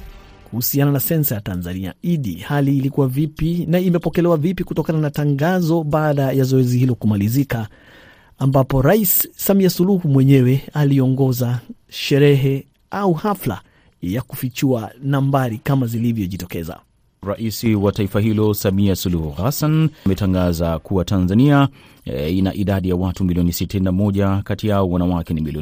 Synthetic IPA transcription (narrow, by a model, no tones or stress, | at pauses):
kuhusiananasɛnsajatanzania̰iɗḭhaliːlikuwavipinaimɛpɔkɛlɛwavipikutɔkananataŋɡazɔɓaːɗajazɔɛzihilɔkumalizikaː | mbapɔɾaisːamiasuluhumwɛɲɛwɛaliɔŋɡɔzaʃɛɾɛɦɛ | auhafla̰ | jakufit͡ʃuanambaɾikamazilivjɔʄitɔkɛza̰ | ɾaʔisiwataifaɦilɔsamiasuluhuhasanmɛtaŋɡazakuwatanzania | ina̰ʔiɗaɗijawatumiliɔnisitininamɔʄakatijaɔwanawakɛnimiliɔ